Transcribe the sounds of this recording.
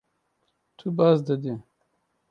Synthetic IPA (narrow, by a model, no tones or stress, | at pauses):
t̪ʰubazd̪ɐd̪e